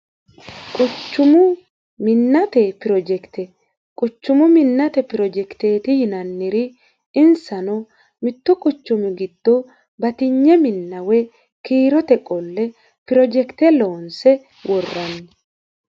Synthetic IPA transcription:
kʼʊt͡ʃːʊmʊ | mɪnːɐt̪ɛpɪɾɔd͡ʒɛkt̪ɛ | kʼʊt͡ʃːʊmʊmɪnːɐt̪ɛpɪɾɔd͡ʒɛkt̪eːt̪ɪjɪnɐnːɪɾɪ | ɪnsɐnɔ | mɪt̪ːʊkʼʊt͡ʃːʊmɪɡɪd̪̥ːɔ | bɐt̪ɪɲːɛmɪnːɐwɛ | kiːɾɔt̪ɛkʼɔlːɛ | pɪɾɔd͡ʒɛkt̪ɛloːnsɛ | wʔɔrːɐn

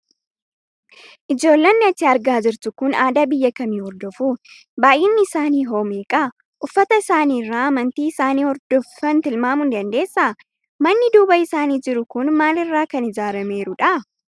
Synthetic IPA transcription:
ʔɪd͡ʒo̞ːlːɐnːɪɐt͡ʃːɪɐɾɡaːd͡ʒɪɾt̪ʊkʊnaːd̪aːbɪjːɐkɐmiːhɔɾd̪ɔfu | baːjʔɪnːɪːsaːniːɦo̞ːmeːkʼɐ | ʔʊfːɐt̪ɐɪsaːniːrːaːɐmɐnt̪iːɪsaːniːhɔɾd̪̥ɔfːɐnt̪ɪlmaːmʊnd̪ɐnd̪e̞ːsːaː | mɐnːɪd̪uːbɐɪsaːniːd͡ʒɪɾʊkʊnmaːlɪrːaːkɐnɪd͡ʒaːɾɐme̞ːɾʊᶑɐ

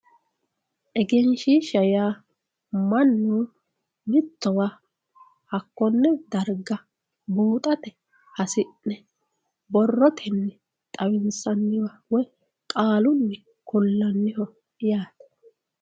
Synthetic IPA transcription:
ʔɛɡɛnʃiʃɐjaː | mɐnːuː | mɪt̪ːɔwaː | hɐkːɔnːɛd̪ɐɾɡɐ | buːt̪ʼɐt̪ɛ | hɐsɪnːɛ | bɔrːɔt̪ʰɛnːɛ | t̪ʼɐwɪnsɐnːɪwawɔj | kʼaːlʊnːɛ | kʊlːɐnːɪhɔ | jaːt̪ɛ̥

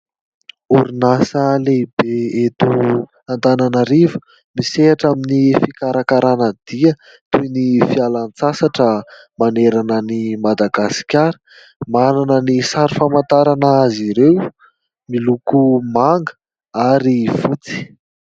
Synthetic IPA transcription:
uɾinasəleibeet̪u | and̪ananəɾivu̥ | miseaʈ͡ʂaminifikaɾakaɾanəd̪̥iə | t̪ujnifialant͡sasaʈ͡ʂə | maneɾanənimad̪aɡasi̥kʲaɾə̥ | mananənisaɾifamant̪aɾanəaziɾew | milukumaŋɡə̥ | aɾifut͡si̥

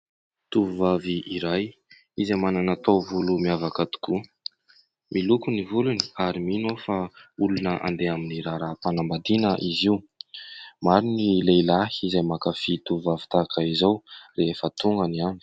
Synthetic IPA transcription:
t̪uvuvaviʔiɾaj | izamananat̪owvulumiavakat̪u̥ku | mʔilukunivuluni̥aɾiminofaulunəʔa̰nd̪eaminiɾaɾapanambad̪inəʔiziw | maɾinilejlahiizajmakafit̪uvuvavi̥t̪akaizawrefət̪uŋɡəniami̥

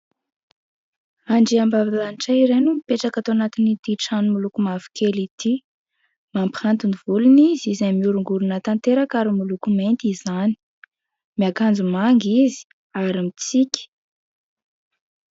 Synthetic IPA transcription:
aɳɖ͡ʐiambavilaniʈ͡ʂaiɾenumipeʈ͡ʂakat̪oanat̪inid̪iʈ͡ʂanumulukumavi̥kʰelit̪ʰi | mampihant̪univulunizizemiuɾuŋɡuɾunət̪ant̪eɾakaɾimulukument̪izani̥i | miakand͡zumaŋɡizi̥ | aɾimit͡sikʲi̥

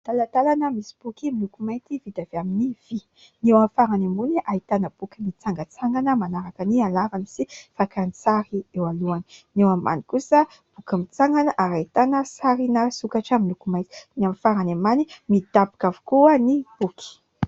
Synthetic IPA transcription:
t̪alat̪alanəmisi̥b̥ukimilukumajt̪ivid̪aveaminiv̥i | newamfaɾanamunʔait̪anəb̥ukimit͡saŋɡət͡saŋɡanəmanaɾakanialavanisifakant͡saɾiewaluaninewama̰nikusə | b̥ukimit͡saŋɡanəʔaɾait̪anəsaɾinəsukaʈ͡ʂəmilukumajt̪i̥namfaɾanamanimid̪̥abi̥kavu̥kuənib̥uki̥

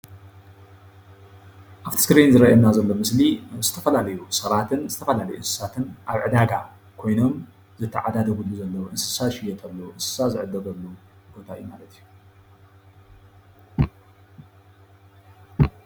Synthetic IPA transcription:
ʔaβt̪ʰɨ̥skɨɾenzɨɾɐʔɐnazɐlːo̞mɨslizɨt̪ʰɐfɐlalɐjusɐβat̪ʰɨnzɨt̪ʰɐfɐlalɐjuʔɨnsɨ̥sat̪ʰɨnʔaβʕɨd̪aɡa | kʰo̞jno̞m | zɨt̪ʰːɐʕad̪ad̪ɐɡulːuzɐlːɐwuʔɨnsɨ̥saʃɪjɛt̪ʰɐlːɐwʔɨnsɨ̥sazɨʕɨd̪ɐɡɐlːowbo̞t̪ʰaɨ̰jumalɐt̪ʰijːu

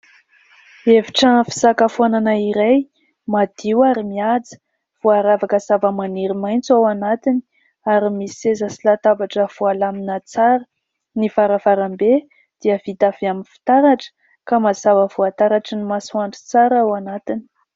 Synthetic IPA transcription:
eviʈ͡ʂəfi̥zakafuananaiɾaj | mad̪̥iwaɾimiad͡zə̥ | v̥uaɾavakəzavəmaniɾimajnt͡sawanat̪ini̥ | aɾimisiezəsilat̪abaʈ͡ʂəv̥ualaminət͡saɾə | nifaɾəfaɾambe | d̪̥iəv̥it̪aviaminfi̥t̪aɾaʈ͡ʂə̥ | kamazavəvuat̪aɾaʈ͡ʂənimasuaɳʈ͡ʂu̥t͡saɾawanat̪ini̥

